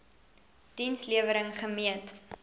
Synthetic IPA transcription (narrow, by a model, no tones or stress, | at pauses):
d̥insliəvəɾəŋχəmiət